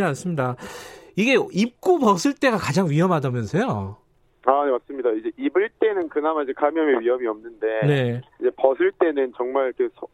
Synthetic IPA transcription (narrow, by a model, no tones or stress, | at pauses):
ians͈ɯmɲidaiɡe̞ip̚k͈ubʌsʰɯɭt͈e̞ɡakad͡ʑaŋɥiɦʌmɦadʌmjʌnsʰejo | ane̞mas͈ɯmɲidaid͡ʑe̞ʔibɯɭt͈e̞nɯnkɯnamaid͡ʑe̞kamjʌme̞ɥiɦʌmiʌmnɯnde̞ne̞id͡ʑe̞pʌsʰɯɭt͈e̞nɯnt͡ɕʌŋmaɭkɯsʰ